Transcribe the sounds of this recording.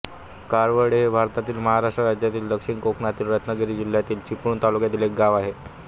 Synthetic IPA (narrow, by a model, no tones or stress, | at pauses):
kaɾʋəɽebʱaɾt̪at̪iːlməɦaɾaʂʈɾəɾad͡ʑjat̪iːld̪əkʂiɳkokɳat̪iːlɾət̪nəɡəɾiːd͡ʑil̤jat̪iːlt͡ɕipuːnt̪alukjat̪iːlek̚ɡaʋaɦe